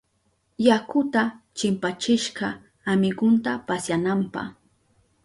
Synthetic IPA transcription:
jakʊt̪at͡ʃɪmpat͡ʃɪʃɢɑ | amɪɢʊnt̪apasjanampɑ̰χ

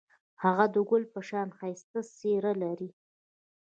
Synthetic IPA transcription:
haɣad̪əɡʊlpəʃɑnxajst̪aseɾalaɾi

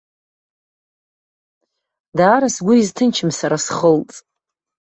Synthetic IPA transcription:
daːɾasɡʷʊiztʰɨnt͡ʃʰɪmsaɾasχəlt͡sʼ

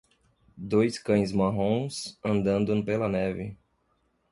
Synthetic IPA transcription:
d̪ojskɐ̃j̃zmaɦõsɐ̃nd̪ɐ̃nd̪ɐ̃pelɐnɛvɪ

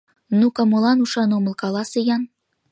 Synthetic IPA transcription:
nukɑmɤ̆lɑnuʃɑnomə̆lˠkɑlɑsɤjɑn

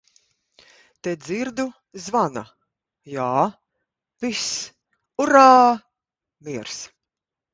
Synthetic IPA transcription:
t̪ɛd̪ziɾd̪u | zvana̰ | jaː | vis | uɾaː | miɛɾs

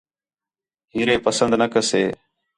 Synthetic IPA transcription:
ɦiːɾeːpəsənd̪nəkəseː

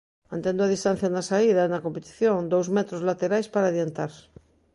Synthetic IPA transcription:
mãnt̪ẽnd̪ʊað̞ist̪an̟θjanasaiðanɐkompet̪i̥θjõŋd̪owzmɛt̪ɾozlat̪eɾajspaɾaðjent̪aɾ

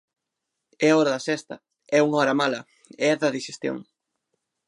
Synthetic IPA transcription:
ɛaɔɾɐðɐsɛst̪ɐ | ɛuŋɔɾɐmalɐ | eɛðɐðiʃest̪jo̰ŋ

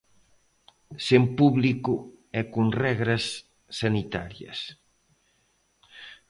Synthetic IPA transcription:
sempuβlikʊɛkunrɛɣɾɐsː | anit̪a̰ɾjɐ̰s

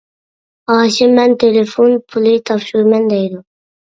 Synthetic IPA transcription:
ɑːʃɪmɛnt̪ʰelefonpʰulˠɪt̪ʰɑpʃuɾmɛnd̪ɛjd̪ʊ

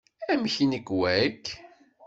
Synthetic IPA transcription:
æmçiniɡwækː

